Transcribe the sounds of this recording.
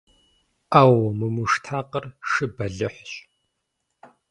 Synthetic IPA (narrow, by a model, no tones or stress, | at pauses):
aːwmɨmɨʂtʰaːqərʂɨbɐɮɨħʷɕ